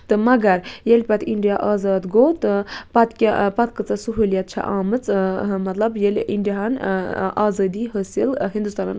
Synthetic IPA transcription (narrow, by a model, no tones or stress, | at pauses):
t̪ɨmɐɡɐɾjelʲpʲɐt̪ʰiɳɖijaʔaːzaːd̪ɡoːt̪ɨpɐt̪kʲapɐt̪kɨt͡sasuɦulijat̪̚t͡ʃʰa̰ʔaːmɨt͡smɐt̪lɐbjelʲḭɳɖiɦanaːzɐːd̪iːɦəsilɦind̪ust̪ana̰n